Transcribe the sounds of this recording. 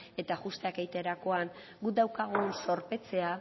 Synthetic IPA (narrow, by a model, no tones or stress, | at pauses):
e̞t̪aɣust̪eakejt̪e̞ɾako̞aŋ | ɡud̪awkaɣ̞unso̞ɾpe̞t͡se̞a